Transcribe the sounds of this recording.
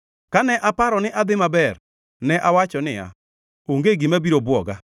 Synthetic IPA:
kanɛʔapaɾɔnɪʔad̪ɪmabɛr | nɛʔawat͡ʃɔnɪa̰ | oŋɡeɡimabiɾobwɔɡa

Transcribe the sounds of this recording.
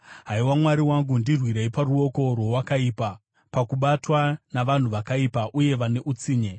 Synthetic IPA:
ɦaiwamwaɾiwaŋɡundirwiɾeiparuo̞ko̞rwo̞wakaiːpa | pakuɓatwanaʋan̤uʋakaipaʔuje̞ʋane̞ʔut͡siːɲe

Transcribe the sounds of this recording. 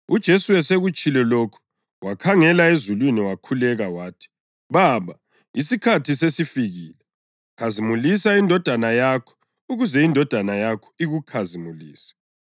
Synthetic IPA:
ud̥ʒ̥ʱesuwɛseɣut͡ʃʼilɛloːkʰu̥ | wakʰaŋɛlaezulwiniwakʰulɛɣawaːtʰi̥ | βaːβa | isikʰatʰisesifiɣiːlɛ | kʰazimulisaindʱɔd̥ʱanajakʰɔ̥ | uɣuzɛindʱɔd̥ʱanajakʰɔ̥iɣukʰazimuliːsɛ̥

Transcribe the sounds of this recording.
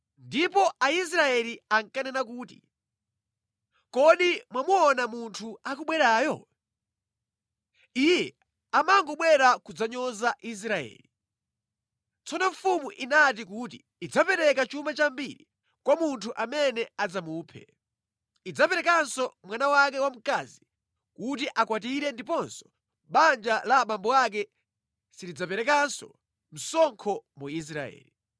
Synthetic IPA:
ndipɔais̬ɾaɛliaŋkanɛnakuːti̥̰ | kɔɗimwamuɔnamuntʰuakuɓwɛɾaːjɔ | ijɛ | amaŋɡɔɓwɛɾakud͡zaɲɔzaʔis̬ɾaɛ̰ːli | t͡sɔnɔɱfumuʔinat̬ikutiːd͡zapɛɾɛkat͡ʃumat͡ʃambiɾi | kwamuntʰuʔamɛnɛad͡zamuːpʰɛ̰ | id͡zapɛɾɛkansɔmwanawak̬ɛwam̩kazi | kut̬iʔakwat̬iɾɛndipɔnsɔ̥ | ɓand͡ʒalaɓambɔak̬ɛ | siɾid͡zapɛɾɛkansɔ | m̩sɔŋkʰɔmuis̬ɾaɛ̰ːli

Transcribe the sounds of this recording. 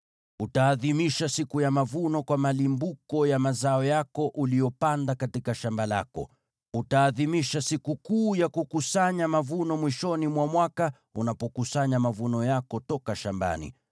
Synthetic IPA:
utaːðimiʃasikujamavunɔkwamalimbukɔjamazaɔjakɔʔulijɔpandakatikaʃambala̰kɔ̰ | utaːðimiʃasikukuːjakukusaɲamavunɔmwiʃɔnimwamwaka | unapɔkusaɲamavunɔjakɔtɔkaʃamba̰nḭ

